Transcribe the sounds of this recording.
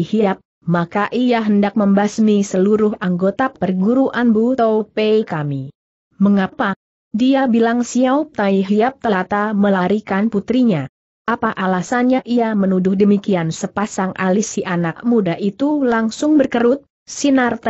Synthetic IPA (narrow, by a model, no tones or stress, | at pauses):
hiap̚ | makaʔiaɦəndak̚məmbasmisəluɾʊɦaŋɡot̪apərɡuɾuʔanbut̪opeikami | məŋapa | diabilaŋsiaup̚t̪aiɦiap̚t̪əlat̪aməlaɾikanput̪ɾiɲa | ʔapaʔalasanɲaʔiamənudʊhdəmikiansəpasaŋʔa̰lisiʔanakmudaʔit̪ulaŋsʊŋbərkəɾʊt̪̚ | sinart̪